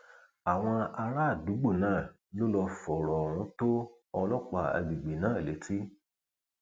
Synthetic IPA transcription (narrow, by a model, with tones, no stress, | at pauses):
a˨w̃ɔ̃˧a˧ɾa˦˨du˨˦ɡ͡bo˦˨nãː˦˨ | lo˦lɔ˧fɔ˨ɾɔ˨wũ˨˦to˦ | ɔ˧lɔ˦k͡pa˧a̰˨ɡ͡bi˨ɡ͡bi˨nãː˦˨le˨˦tʰi˦